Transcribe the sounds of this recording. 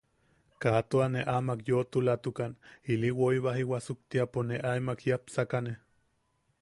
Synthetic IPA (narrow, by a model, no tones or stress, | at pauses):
kat̪oaneʔamakjot̪ulat̪ukaniliwoiβaɦiwasuk̚t̪iaponeʔaimakjapsakane